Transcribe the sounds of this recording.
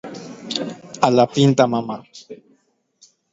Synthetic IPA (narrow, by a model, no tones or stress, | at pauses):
alapint̪amama